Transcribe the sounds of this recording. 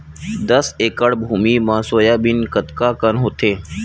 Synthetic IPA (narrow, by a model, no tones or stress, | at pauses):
d̪əseːkəɽbʱuːmiːmãːsoːjaːbɪnkət̪kaːkənɦoːt̪ʰeː